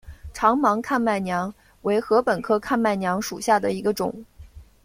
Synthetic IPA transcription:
ʈ͡ʂʰɑ˧˥ŋmɑ˧˥ŋkʰa˥˧nma˥˩ɪnjɑ˧˥ŋ | we˧˥ɪxɤ˧˥pə˨˩nkʰɤ˥˧kʰa˥˧nma˥˩ɪnjɑ˧˥ŋʂṵ˨˩ɕja˥˩d̪ə˩i˧˥ɡə˧ʈ͡ʂʊ̰˨˩˦ŋ

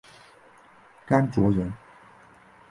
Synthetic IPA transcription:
ka˥nt͡swɔ˧˥ɻə˧˥n

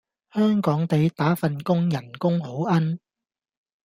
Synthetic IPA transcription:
hœː˥ŋkɔː˨˥ŋt̪e˨˧jt̪aː˨˥fɐ˨nkʊ˥ŋjɐ˨˩nkʊ˥ŋho˨˥wʔɐ˥n

